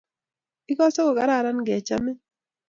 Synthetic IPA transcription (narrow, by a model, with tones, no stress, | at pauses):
ɪ˦kɔ˦so˦ɡo˨ka˦ɾa˦˨ɾa˦nɡɛ˨t͡ʃa̰˦mɪ˦